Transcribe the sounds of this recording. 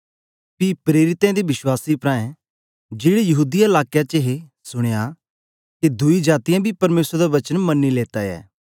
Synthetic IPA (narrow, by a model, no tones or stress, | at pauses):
pipɾeːɾɪt̪ɛ̃d̪iʋɪʃwaːsipɾãːɛ̃ | d͡ʒeːɽejɐɦuːd̪iɐlaːkjat͡ʃeɦe | sʊɽ̃eja | ked̪ʊid͡ʒaːt̪ɪjãbʱipɐɾmeːsɾd̪aʋɐt͡ʃənmɐnːileːt̪aɛ̰ː